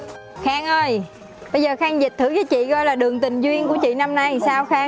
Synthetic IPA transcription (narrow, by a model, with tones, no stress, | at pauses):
xaː˧ŋʔəː˧j | ɓə˧jzəː˨˩xaː˧ŋzï˨˩t̪ʰɨ˧˩˦vəː˨˦t͡ɕḭ˧˨kɔ˧jlaː˨˩ɗɨ˨˩əŋt̪ï˨˩ŋ̟zwi˧ənku˧˩ət͡ɕḭ˧˨na˧mna˧jsaː˧wxaː˧